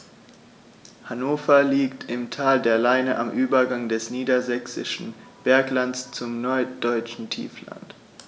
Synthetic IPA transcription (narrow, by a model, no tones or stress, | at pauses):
hanoːfɐliːktʰɪmtʰaːldeːɐlaɪnəʔamʔyːbɐɡaŋdɛsniːdɐzɛksɪ̰ʃn̩b̥ɛɐklantst͡sʊmnɔɐt̚d̥ɔʏt͡ʃn̩tʰḭːfla̰nt